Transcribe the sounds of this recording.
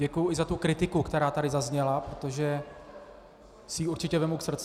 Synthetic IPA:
ɛkujʊʔɪzat̪ukɾɪt̪ɪkukt̪ɛɾaːt̪adɪzazɲɛlapɾot̪o̞ʒɛ | sɪjiːuɾt͡ʃɪcɛvɛmowksr̩t͡s

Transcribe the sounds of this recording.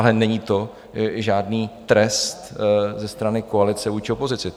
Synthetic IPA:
alɛnɛɲiːt̪o̞ | ʒaːdniːt̪ɾɛst̪zɛst̪ɾanɪkoalɪt͡sɛvuːjt͡ʃɪopo̞zɪt͡sɪ

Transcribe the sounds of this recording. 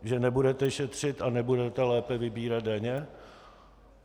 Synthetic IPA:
ʒɛnɛbudɛt̪ɛʃɛt̪r̝̥ɪt̪anɛbudɛt̪ɛlɛːpɛvɪbiːɾad̪̚daɲɛ

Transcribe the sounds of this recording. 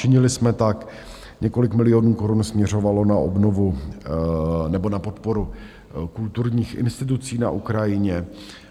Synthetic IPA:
t͡ʃɪɲɪlɪsmɛt̪ak | ɲɛko̞lɪkmɪlɪjonuːko̞ɾunsmɲɛr̝o̞valo̞naʔo̰bno̞vu | nɛbo̞napo̞t̪po̞ɾu | kult̪uɾɲiːxʔɪ̰nst̪ɪt̪̬ut͡siːna̰ʔukɾajɪɲɛ

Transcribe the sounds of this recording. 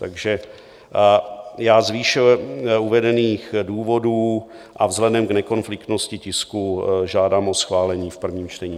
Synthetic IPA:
t̪aɡʒɛ | jaːzviːʃɪuvɛdɛniːxduːvo̞duː | ʔavzɦlɛdɛmɡnɛko̞nflɪkt̪no̞scɪcɪskuʒaːdaːmʔo̞sxvaːlɛɲiːfpr̩vɲiːmt͡ʃt̪ɛɲiː

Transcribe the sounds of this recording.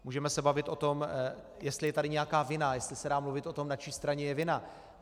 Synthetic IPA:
muːʒɛmɛsɛbavɪt̪ʔo̞t̪o̞m | jɛst̪lɪjɛt̪adɪɲɛjakaːvɪnajɛst̪lɪsɛdaːmluvɪt̪ʔo̞t̪o̞mnat͡ʃiːst̪ɾaɲɛjɛvɪna

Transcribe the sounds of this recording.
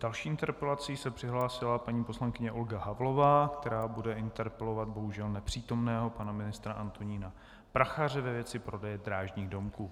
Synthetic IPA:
d̥alʃiːʔɪnt̪ɛɾpɛlat͡siːsɛpr̝̥ɪɦlaːsɪlapaɲiːposlaŋkɪɲɛʔolɡaɦavlo̞vaːkt̪ɛɾaːbudɛɪnt̪ɛɾpɛlo̞vad̪̚bo̞ɦuʒɛlnɛpr̝̥iːt̪o̞mnɛːɦo̞panamɪnɪst̪ɾaʔant̪oɲiːna | pɾaxaːr̝ɛvɛvjɛt͡sɪpɾo̞dɛjɛd̪ɾaːʒɲiːɣdo̞mkuː

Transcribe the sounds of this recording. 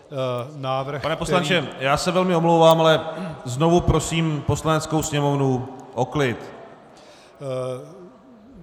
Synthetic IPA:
naːvɾ̩panɛposlant͡ʃɛjaːsɛvɛlmɪomlowvaːmalɛzno̞vupɾo̞siːmpo̞slanɛt͡sko̞wsɲɛmo̞vnuʔo̞klɪt̪

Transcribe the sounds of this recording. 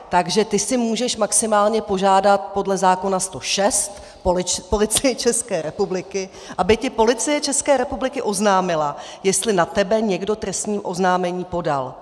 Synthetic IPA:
t̪aɡʒɛt̪ɪsɪmuːʒɛʃmaksɪmaːlɲɛpo̞ʒaːdat̪̚po̞dlɛzaːko̞nast̪o̞ʃɛst̪ | ppo̞lɪt͡sɪjɪt͡ʃɛskɛːɾɛpublɪkɪ | ʔabɪcɪpo̞lɪt͡sɪjɛt͡ʃɛskɛːɾɛpublɪkɪʔo̞znaːmɪlajɛst̪lɪnat̪ɛbɛɲɛɡdo̞t̪ɾɛst̪ɲiːmʔo̞znaːmɛɲiːpo̞da̰l

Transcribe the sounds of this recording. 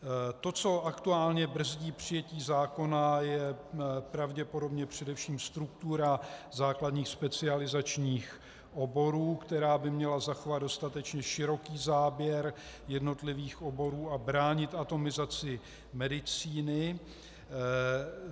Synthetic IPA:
t̪o̞t͡so̞ʔakt̪uaːlɲɛbr̩zɟiːpr̝̥ɪjɛciːzaːko̞najɛpɾavɟɛpo̞do̞bɲɛpr̝̥ɛdɛfʃiːmst̪ɾukt̪uɾazaːkladɲiːxspɛt͡sɪalɪzat͡ʃɲiːx | ʔo̞bo̞ɾuːkt̪ɛɾaːbɪmɲɛlazaxovad̪do̞st̪at̪ɛt͡ʃɲɛʃɪɾo̞kiːzaːbjɛɾ | jɛdno̞t̪lɪviːxʔo̞bo̞ɾuːabɾaːɲɪt̪at̪o̞mɪzat͡sɪ | mɛdɪt͡siːnɪ

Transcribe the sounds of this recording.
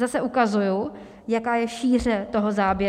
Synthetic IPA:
zasɛʔukazuju | jakaːjɛʃiːr̝ɛt̪oɦozaːbjɛ

